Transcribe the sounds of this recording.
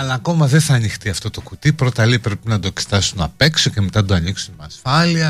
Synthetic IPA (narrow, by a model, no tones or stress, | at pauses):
ɐlɐːko̞mɐðeθɐːnixt̪iɐft̪o̞t̪o̞kut̪ipɾo̞t̪ɐlipɾe̞pinɐd̪o̞ekse̥t̪ɐsunɐpe̞ksoceme̞t̪ɐd̪oɐniksunmeɐsfɐliɐ